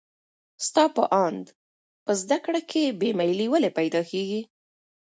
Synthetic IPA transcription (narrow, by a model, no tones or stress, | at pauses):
st̪ɑpəʔɑnd̪ | pəzd̪akɽakʰebemajliwəlepajd̪ɑkeɡi